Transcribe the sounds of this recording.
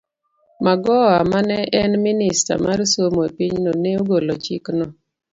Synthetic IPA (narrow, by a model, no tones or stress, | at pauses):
maɡɔamanɛʔɛnminɪsta̰maɾsomoepiɲnoneoɡolot͡ʃiknɔ